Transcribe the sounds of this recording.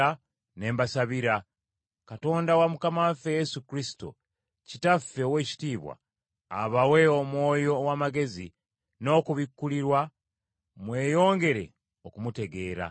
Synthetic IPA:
a | ne̞ːmbasaβiɾa | kato̞ːndawamukamafe̞je̞sukɾisi̥to̰ | citafːe̞owe̞ːci̥tiːβwa̰ː | βawe̞omwo̞ːjo̞wamaɡe̞zi | no̞ːkuβikːuliɾwa | mwe̞ːjo̞ːŋɡe̞ɾe̞̰ | okumute̞ɡe̞ːɾa̰

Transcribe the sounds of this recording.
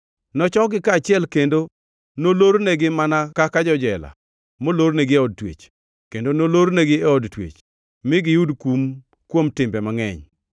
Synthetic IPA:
nɔt͡ʃɔɡɪkat͡ʃɪɛlkendo | noloɾneɡɪmanakakad͡ʒɔd͡ʒɛla̰ | moloɾneɡɪɛɔd̚twḛt͡ʃ | kendonoloɾneɡɪɛɔdtwḛt͡ʃ | mɪɡɪjudkum | kwomtɪmbɛmaŋɛ̰ɲ

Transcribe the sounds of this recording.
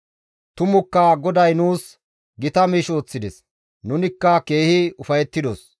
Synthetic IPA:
t̪ʊmʊkːɐɡɔd̪ɐjnuːs | ɡɪt̪ɐmiːʃo̞ːt͡sːɪd̪ɛs | nʊnɪkːɐke̞ːhɪʊfɐjɛt̪ːɪd̪os

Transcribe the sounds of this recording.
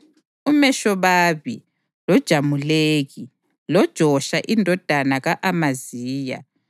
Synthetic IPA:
umɛʃɔβaːβi | lɔd̥ʒ̥ʱamuleːɣi | lɔd̥ʒ̥ʱɔʃaʔindʱɔd̥ʱanaɣaʔamaziːja̰

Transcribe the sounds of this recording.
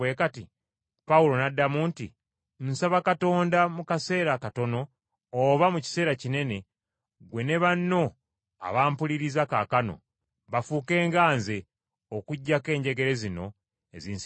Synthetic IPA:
we̞ːkati | paulo̞nadːamuntḭ | nsaβakato̞ːndamukase̞ːɾakato̞no̞ː | βamuci̥se̞ːɾacine̞ne̞ | ɡwe̞ne̞βanːo̞ | a̰βaːmpuliɾizakakano̰ | βafuke̞ːŋɡaːnze̞ | okuɟːake̞ːɲɟe̞ɡe̞ɾe̞zino̞̰ | e̞ziːns

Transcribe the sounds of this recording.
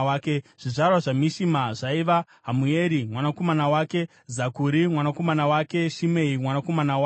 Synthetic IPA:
aːkeʐ̥iʐarwaʐamiʃimaʐaiʋa | ɦamueːɾimwanako̞manawaːke̞ | zakuɾimwanako̞manawake̞ʃimeimwanako̞manawa

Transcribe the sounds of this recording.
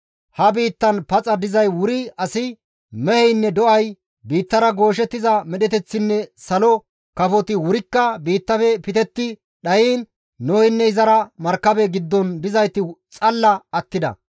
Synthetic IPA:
hɐbiːt̪ːɐnpɐt͡sʼɐd̪ɪzɐjwʊɾɪɐsɪ | mɛhɛjnːɛd̪ɔʔɐj | biːt̪ːɐɾɐɡo̞ːʃ̬ɛt̪ːɪzɐmɛɗɛt̪ɛt͡sːɪnːɛsɐlɔ | kɐfɔt̪ɪwʊɾɪkːɐbiːt̪ːɐfɛpɪt̪ɛt̪ːɪ | ɗɐjiːnː | oːhɪnːɛɪzɐɾɐmɐɾkːɐbɛɡɪd̪ːɔnbɪzɐjt̪ːɪt͡sʼɐlːɐɐt̪ːɪd̪ɐ̰

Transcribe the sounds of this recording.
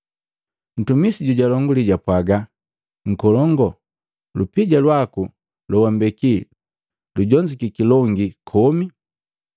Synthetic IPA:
n̩tumisiɟuɟalɔŋɡuliɟapwaɡa | ŋ̩kɔlɔŋɡɔ | lupiɟalwaku | lɔwambɛki | luɟɔɲd͡ʒikikilɔŋɡikʰɔmi

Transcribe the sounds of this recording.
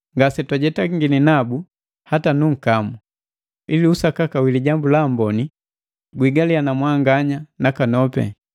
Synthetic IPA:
ŋɡasɛtwaɟɛtaŋɡininabu | hatanuŋ̩kamu | iliusakakawiliɟambulambɔni | ɡwiɡalianamwaŋɡaɲanakanɔpɛ̰

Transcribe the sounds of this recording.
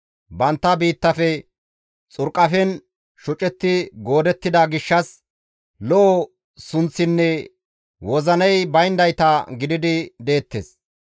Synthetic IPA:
bɐnt̪ːɐbiːt̪ːɐfɛ | t͡sʼʊɾkʼːɐfɛn | ʃʊt͡ʃʼɛt̪ːɪɡo̞ːd̪ɛt̪ːɪd̪ɐɡɪʃːɐs | lɔʔɔ | sʊnt͡sːɪnːɛ | wɔzɐnɐjbɐjnd̪ɐjt̪ɐɡɪd̪ɪd̪ɪd̪e̞ːt̪ːḛs

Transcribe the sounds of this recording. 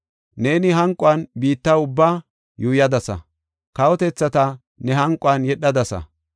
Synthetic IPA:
ne̞ːnɪɦɐŋkʼːʊɐnbiːt̪ːɐʊbːaː | juːjɐd̪ɐsɐ̰ | kɐwɔt̪ɛt͡sːɐt̪ɐ | nɛɦɐŋkʼːʊanjɛɗːɐd̪ɐsɐ̰

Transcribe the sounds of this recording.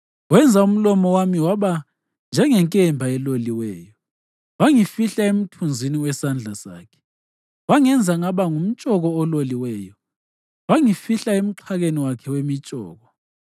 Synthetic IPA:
wɛnd͡zʱaum̩lɔmɔwamiwaβa | nd͡ʒʱɛŋɛŋkʼɛmbʱaɛloliwɛːjɔ | waŋifiɬaem̩tʰund͡zʱiniwɛsand͡ɮʱasa̰ːkʰɛ̥ | waŋɛnd͡zʱaŋaβaŋum̩t͡ʃʼɔɣɔːloliwɛːjɔ | waŋifiɬaem̩ǁʰaɣeniwakʰɛwemit͡ʃʼɔ̰ːɣɔ

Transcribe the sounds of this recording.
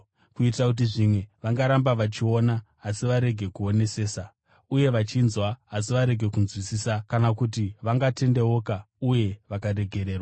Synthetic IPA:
kuitrakut̬iʐimwe̞ʋaŋɡaɾambaʋat͡ʃionaː | siʋaɾe̞ɡʱe̞kuo̞ne̞se̞ːsa | uje̞ʋat͡ʃinzwaːs̬iʋaɾe̞ɡʱe̞kunzwisisakanakut̬iʋaŋɡate̞nde̞o̞ka | uje̞ʋakaɾe̞ɡʱe̞ɾe̞ːrwaa

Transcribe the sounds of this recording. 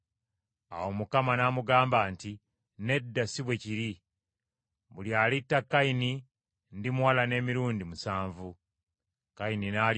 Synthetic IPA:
a̰wo̞mukamanamuɡaːmbaːnti | ne̞dːasiβwe̞ciɾi | βuljaːlitːakːaini | ndimuwalane̞ːmiɾuːndimusaːɱvu | kaininaːl

